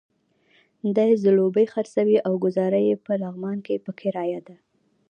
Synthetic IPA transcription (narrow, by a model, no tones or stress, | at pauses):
d̪ɑjzəlobəjxaɾsawiʔawɡʊzɑɾajepəlaɣmɑnkepəkʰeɾɑjad̪a